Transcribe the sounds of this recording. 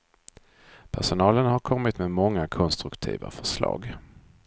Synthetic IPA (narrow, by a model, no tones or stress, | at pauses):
pʰæʂʊnɑːlənhaɾkʰɔmːɪt̪memɔŋːakʰɔnst̪ɾɵkt̪ʰḭːva̰fœʂlɑ̰ːɡ